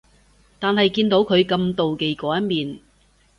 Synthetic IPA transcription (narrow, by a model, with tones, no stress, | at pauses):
t̪aː˨nhɐ˨jkiː˧nt̪o˨˥wkʰɵ˨˧ɥkɐ˧mt̪o˨wke˨jkɔː˨˥jɐ˥t̚miː˨n